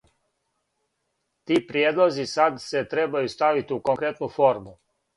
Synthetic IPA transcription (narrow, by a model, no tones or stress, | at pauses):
t̪iːpɾjeːd̪lˠozisad̪set̪ɾebajust̪aʋit̪ukoŋkɾet̪nufoɾmu